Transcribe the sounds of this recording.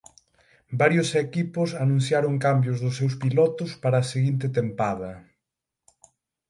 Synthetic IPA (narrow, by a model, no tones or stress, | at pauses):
baɾjʊsekipʊsanũnθjaɾʊŋkambjʊzðʊsːewspilɔt̪ʊspaɾɐːseɣint̪ɪt̪empað̞ɐ